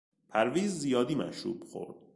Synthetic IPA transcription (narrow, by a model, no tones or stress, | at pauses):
pʰæɾviːzːijɒːd̪iːmæ̰ʃɾṵːb̥xo̰ɾd̪̥̚